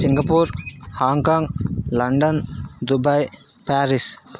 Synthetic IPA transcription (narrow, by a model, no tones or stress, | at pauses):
siŋɡɐpuɾhaːŋkaŋlɐɳɖənd̪ubɐj | paːɾis